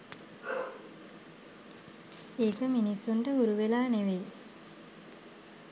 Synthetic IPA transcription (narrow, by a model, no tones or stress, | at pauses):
eːkəminisːuɳʈəuɾuʋelaːneʋej